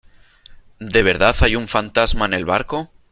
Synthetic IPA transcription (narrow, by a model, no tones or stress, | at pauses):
d̪e̞βe̞ɾðaθajuɱfant̪azmaene̞lβaɾko̞